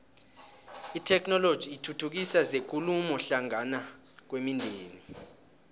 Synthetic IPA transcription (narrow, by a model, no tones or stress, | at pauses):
itʰɛkʰnɔlod̥ʒ̥ʱiːtʰutʰuk̬isazek̬ʼulumɔɬaŋana | k̬wemindʱeːni